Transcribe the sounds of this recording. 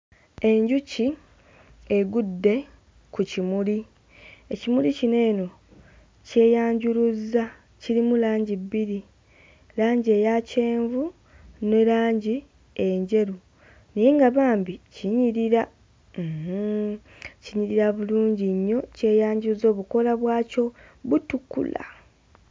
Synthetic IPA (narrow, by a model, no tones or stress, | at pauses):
e̞ɲɟuci | eɡudːe̞ | kucimuli | ecimulicine̞ːno̞ | ce̞ːjaːɲɟuɾuza | ciɾimulaːɲɟibːiɾi | laːɲɟie̞jace̞ːɱvu | ne̞laːɲɟi | e̞ɲɟe̞ɾu | nijeŋɡaβaːmbiciɲiɾiɾa | h̩ | ciɲiɾiɾaβuluːɲɟiɲːo̞ce̞ːjaːɲɟuuzo̞ːβuko̞laβwaːco̞ | βutukːṵla̰